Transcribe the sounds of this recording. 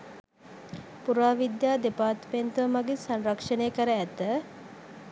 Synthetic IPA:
puɾaːʋid̪jaːd̪epaːt̪pent̪əʋəmaɡisanrɐkʂəneːkəɾəæt̪ə

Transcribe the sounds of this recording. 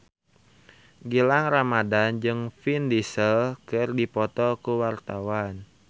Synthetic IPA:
ɡilaŋramadand͡ʒɨŋfindisəlkərdipɔt̪ɔkuwart̪awan

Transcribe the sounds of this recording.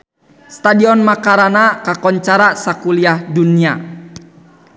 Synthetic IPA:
st̪adiɔnmakaɾanakakɔɲt͡ʃaɾasakuliahdunia

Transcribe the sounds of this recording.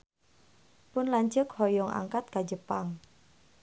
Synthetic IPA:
pʊnlaɲt͡ʃəkhɔjɔŋʔa̰ŋkat̪̚kad͡ʒəpaŋ

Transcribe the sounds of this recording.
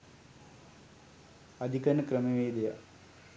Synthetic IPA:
ɐd̪ʱikɐnːɐkɾɐmeʋeːd̪ejɐ̰

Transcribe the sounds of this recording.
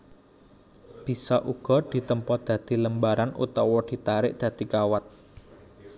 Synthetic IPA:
b̥i̤sɔʔuɡ̥ɔ̤d̪̥i̤t̪əmpɔd̪̥a̤d̪̥i̤ləmbaɾanṵt̪ɔwɔd̪̥i̤t̪aɾɪ̰ʔd̪̥ä̤d̪̥ikawat̪̚

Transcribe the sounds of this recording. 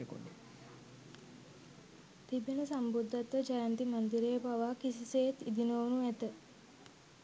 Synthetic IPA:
ko̰ne | t̪ibenəsambud̪ʱːat̪ʋəd͡ʒajant̪imɐnd̪iɾejəbaʋaːkisisejet̪id̪inoːnuæt̪ə

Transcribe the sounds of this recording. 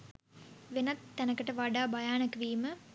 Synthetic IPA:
ʋenɐt̪ːɛnəkəʈəʋaɖaːbajaːnəkʋiːmə

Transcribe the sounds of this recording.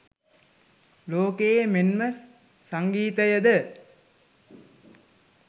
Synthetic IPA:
loːkejemenməsː | aŋɡiːt̪əjəd̪ə

